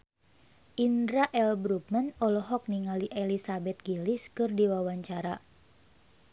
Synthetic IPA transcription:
ʔindɾaʔɛlbɾup̚manɔlɔɦɔk̚niŋaliʔɛlisabɛt̪̚ɡiliskɨrdiwawaɲt͡ʃaɾa

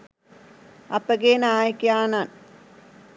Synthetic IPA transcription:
ɐpːɐɡeːnaːjɐkːjaːnaːn

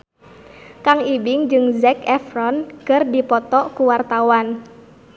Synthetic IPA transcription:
kaŋibɪŋd͡ʒɨŋzɛkɛfrɔnkɨrdipɔt̪ɔkuwart̪awan

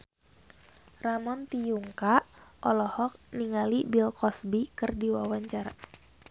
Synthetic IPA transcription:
ramɔnt̪ijuŋkaʔɔlɔhɔk̚niŋalibilkɔsbikɨrdiwawaɲt͡ʃar

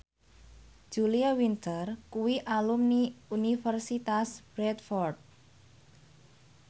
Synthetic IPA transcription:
d͡ʒ̥uliawint̪ərkuwiʔalumniunifərsit̪asb̥ɾɛt̪fɔrd̪̚

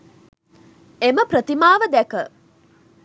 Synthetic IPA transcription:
eməpɾət̪imaːʋəd̪ækə

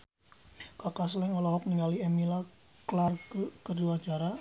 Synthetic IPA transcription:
kakaslɛŋɔlɔɦɔk̚niŋɡaliɛmila | klarkkəduat͡ʃaɾa

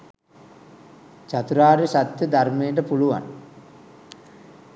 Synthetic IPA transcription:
t͡ʃat̪uɾaːɾisat̪jəd̪armejəʈ̬əpuluʋa̰n

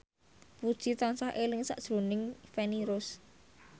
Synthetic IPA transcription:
pud̥ʒ̥it̪ɔnsahʔelɪŋsa̰ʔd̥ʒ̥ɾo̤nɪŋfɛniɾʊs

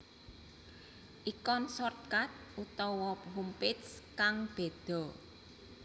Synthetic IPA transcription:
ʔikɔnsɔrt̪̚kat̪̚ʔut̪ɔwɔpɦumpɪtskaŋb̥e̤d̪̥ɔ̤

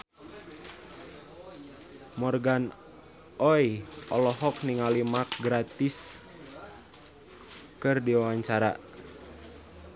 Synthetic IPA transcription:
mɔrɡan | ʔɔjʔɔlɔɦɔk̚niŋalimak̚ɡɾat̪ɪs | kɨrdiwawaɲt͡ʃaɾa̰

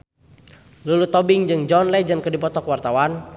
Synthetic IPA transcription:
lulut̪ɔbɪŋd͡ʒɨŋd͡ʒɔnlɛd͡ʒɨnkədipɔt̪ɔkəwart̪awan

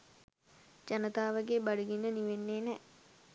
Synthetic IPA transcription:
d͡ʒanət̪aːʋəɡebaɖuɡinːəniʋenːeːnɛ

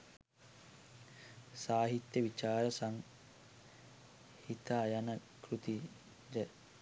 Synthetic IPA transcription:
saːɦit̪jəʋit͡ʃaːɾəsaŋ | hit̪aːjanəkrut̪i | d͡ʒə

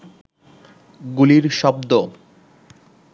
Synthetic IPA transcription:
ɡuliɾʃɔb̚d̪o

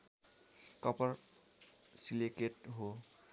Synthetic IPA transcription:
kɔpɔɹ | sileketɦo

